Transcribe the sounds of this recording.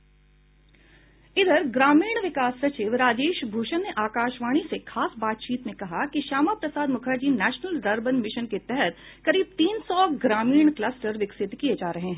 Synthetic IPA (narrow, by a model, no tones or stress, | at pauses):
ɪd̪əɾɡɾaːmiːɳ̃ʋɪkaːsːɐt͡ʃɪʋɾaːd͡ʒeːʃbʱuːʃənːeʔaːkaːʃʋaːɽ̃isekʰaːsbaːt̪̚t͡ʃiːt̪mẽkɐɦakiʃaːmapɾɐsaːd̪mʊkʰəɾd͡ʒinɛːʃnəlɖɐɾbənmɪʃənket̪ɛɦɛt̪kɐɾiːb̚t̪iːnsɔɡɾaːmiːɳ̃klɐsʈəɾʋɪksɪt̪kied͡ʒaːɾɐɦẽɦɛ̃